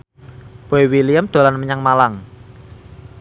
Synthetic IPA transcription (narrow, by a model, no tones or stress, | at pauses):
b̥o̤ewilijamd̪̥o̤lanməɲaŋmalaŋ